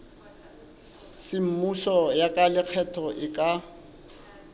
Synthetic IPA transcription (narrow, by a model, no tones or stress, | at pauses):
sɪm̩musɔjakʼalɪk͡xʰɛtʰɔʔɪkʼa